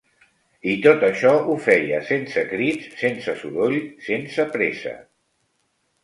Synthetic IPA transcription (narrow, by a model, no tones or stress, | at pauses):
it̪ot̪əʃɔufɛjəsensəkɾitsːensəsuðoʎsensəpɾesə̰